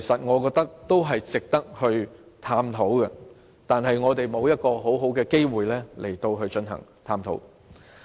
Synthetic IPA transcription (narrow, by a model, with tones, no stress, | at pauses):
kʰe˨˩sɐ˨t̚ŋɔː˨˧kɔː˧k̚t̪ɐ˥k̚t̪o˥wɦɐ˨jt͡sɪ˨k̚t̪ɐ˥k̚hɵ˧ɥ | t̪ʰaː˧mt̪ʰo˨˥wkɛ˧ | t̪aː˨nɦɐ˨jŋɔː˨˧t̪e˨jmo˨˧wjɐ˥t̚kɔː˧ɦo˨˥wɦo˨˥wkɛː˧ke˥jwuː˨jlɛː˥le˨˩jt̪o˧wɦɵ˧ɥt͡ʃɵ˧nɦɐ̰˨˩ŋt̪ʰaː˧mt̪ʰo̰˨˥w